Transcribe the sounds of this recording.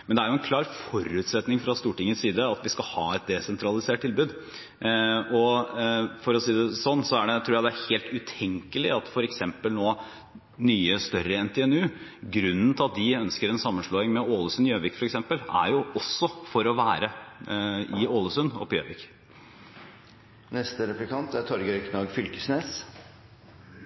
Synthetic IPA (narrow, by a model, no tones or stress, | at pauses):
mɛnd̪ɛæɾjʊɛnkʰlɑːɾfɔɾʉːt̪sɛt̪nɪŋfɾɑst̪uːʈɪŋːət̪siːd̪əɑt̪ʋɪskɑhɑːɛt̪̚d̪ɛsɛnt̪ʰɾɑlɪseːʈ̚t̪ɪlbʉːd̪ | ɔ | fɔɾɔsiːd̪ɛsɔnːsɔæɖɛt̪ʰɾuːjæɪd̪ɛæɾheːlt̪ʉt̪ʰɛŋkəlɪɑt̪fɔɾɛksɛmpəlnoː | nyːəst̪œɾəɛnt̪ʰɛːɛnʉːɡɾʉnːn̩t̪ʰɪɑt̪̚d̪ɪœnskəɾɛnsɑmːənʂɭoːɪŋmɛoːləsʉnɪøːʋɪkfɔɾɛksɛmpəlæ̰ɾjʊʔɔsːɔfɔɾɔʋæːɾə | ʔɪoːləsʉnɔ̰pːɪø̰ːʋɪk | nɛst̪əɾɛplɪkʰɑnt̪æɾt̪ʰɔɾɡəœknɑɡfʏlkəsneːs